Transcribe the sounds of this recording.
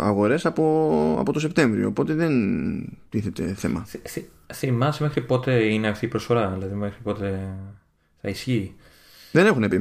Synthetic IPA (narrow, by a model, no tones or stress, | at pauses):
ɐ̰ɣo̞ɾe̞sɐpoɐ̰po̞t̪o̞se̞pt̪e̞ɱvɾio̞̰ːpo̞t̪e̞ðe̞nt̪iθe̞t̪e̞̰θe̞̰mɐθθi | θimɐsme̞xɾipo̞t̪e̞ineɐft̪iːpɾosfo̞ɾɐðilɐðimexɾipo̞t̪e̞ | θɐ̰isçi | ðe̞ne̞xunepi